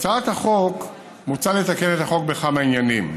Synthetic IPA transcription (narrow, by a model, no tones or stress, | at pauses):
t͡saat̪haχo̞k | mut͡salet̪ake̞ne̞t̪haχo̞k̚beχamainjanim